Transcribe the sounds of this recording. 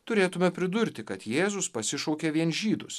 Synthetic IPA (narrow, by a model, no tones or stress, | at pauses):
t̪ʊɾʲeːt̪ʊmʲɛpʲɾʲɪd̪ʊɾʲt̪ʲɪkɐt̪jeːzʊspɐsʲɪʃɔʊkʲeːʋʲiɛnʒʲiːd̪ʊs